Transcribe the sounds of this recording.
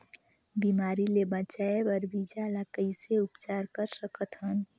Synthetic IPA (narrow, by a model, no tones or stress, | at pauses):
bimaːɾilebət͡ʃaebəɾbid͡ʒalakəiseʊpt͡ʃaːɾkəɾsəkət̪ɦən